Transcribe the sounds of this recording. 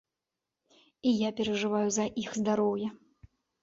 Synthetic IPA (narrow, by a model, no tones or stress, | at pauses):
ijapʲɛɾɐʐɨvajuzɐʔixzd̪aɾɔwjɐ